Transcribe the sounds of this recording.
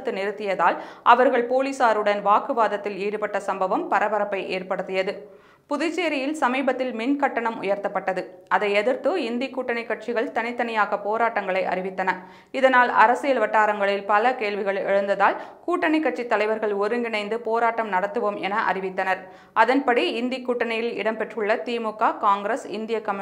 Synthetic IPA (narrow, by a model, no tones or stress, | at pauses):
t̪ːɯnɪɾɯt̪ːɪjɐðaːlʔɐʋɐɾɣɐɭpoːlisaːɾɯɽɐnʋaːkɯʋaːðɐt̪ːɪleːɽɯpɐʈːɐsɐmbɐʋɐmpɐɾɐʋɐɾɐpːɐɪʔeːɾpɐɽɯt̪ːɪjɐðɯ | pʊðɪt͡ʃːeːɾɪjɪlsɐmiːbɐt̪ːɪlmɪnkɐʈːɐɳɐmʊ̰jɐɾt̪ɐpːɐʈːɐðɯʔɐðɐɪɛðɯɾt̪ɯɪnd̪ikːuːʈːɐɳɐɪkːɐʈ̚t͡ʃɪɣɐɭt̪ɐnɪt̪ːɐnɐjaːɣɐpoːɾaːʈːɐŋɡɐɭɐɪʔɐ̰ɾɪʋɪt̪ːɐnɐ | ɪðɐnaːlɐ̰ɾɐsɪjɐlʋɐʈːaːɾɐŋɡɐɭɪlpɐlɐkeːɭʋɪɣɐɭɛ̰ɻɯnd̪ɐðaːlkuːʈːɐnɐɪkːɐʈt͡ʃit̪ːɐlɐɪʋɐɾɣɐɭɔɾɯŋɡɪnɐɪnd̪ɯpoːɾaːʈːɐmnɐɽɐt̪ːɯʋoːmʔɛnɐʔɐ̰rɪʋɪt̪ːɐnɐɾ | ʔɐðɐnpɐɽiɪnd̪ikːuːʈːɐɳɐjɪlɪ̰ɽɐmpɛʈrɯɭːɐt̪iːmukːaːkaːŋɡɾɐsɪ̰nd̪ɪjɐkɐm